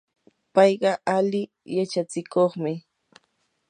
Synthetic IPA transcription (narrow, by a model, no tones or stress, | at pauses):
pɑjɢɑʔalɪ | jat͡ʃat͡sɪkoχmɪ